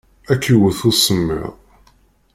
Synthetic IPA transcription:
ækːiwəθʊsəmːə̰ʁˤ

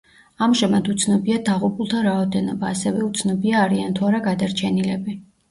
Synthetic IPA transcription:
amʒɛmad̪ut̪sʰnɔbiad̪aʁupʰulˠt̪ʰaɾaɔd̪ɛnɔbaːsɛvɛut̪sʰnɔbiaːɾiant̪ʰuaɾaɡad̪aɾt͡ʃʰɛnilɛbi

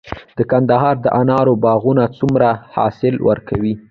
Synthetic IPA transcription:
d̪̥əkand̪aɦɑɾd̪əʔanɑɾobɑɣunat͡sumɾahɑ̰sɪlwʔə̰ɾkʰawi

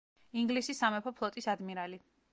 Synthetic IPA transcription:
iŋɡlisisamɛpʰɔpʰlˠɔt̪ʼisad̪miɾali

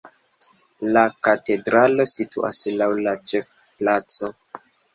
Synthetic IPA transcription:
lakate̞dɾalo̞sitṵʔa̰slawlat͡ʃe̞f | plat͡so̞

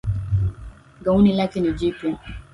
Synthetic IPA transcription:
ɡaunilakɛnid͡ʒipɔ

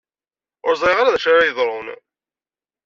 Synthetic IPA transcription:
ʊ̰ɾzˤiʁaɾaðæʃaɾajəðˤɾˤon

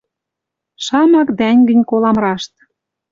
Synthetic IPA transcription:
ʃɑmɑkd̪ænʲɡə̆nʲkolɑmɾɑʃt̪

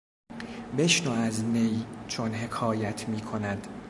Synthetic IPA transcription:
be̞ʃnoæznejt͡ʃʰonɦe̞kʰɒːjæt̪ʰmiːkʰonæd̪̥

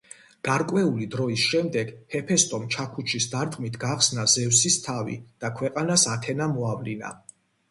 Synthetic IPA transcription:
ɡ̥aɾkʼwɛulid̪ɾɔisʃɛmd̪ɛɡhɛpʰɛst̪ʼɔmt͡ʃʰakʰut͡ʃʰisd̪aɾt̪ʼqʼmit̪ʰɡaχsnazɛvsist̪ʰavḭd̪̥akʰwɛqʼanasat̪ʰɛnamɔavlina̰

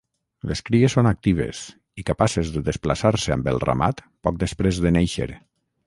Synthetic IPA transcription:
leskɾiesːonak̚t̪iβ̞ḛs | ikapasezðəðesplasaɾsəambə̰lˠra̰ma̰t̪ | pɔk̚d̪əspɾezðənejʃḛɾ

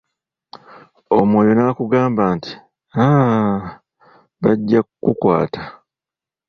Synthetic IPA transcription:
omwo̞ːjo̞nakuɡaːmbaːnti̥ | a | βaɟːakukwa̰ːtḁ

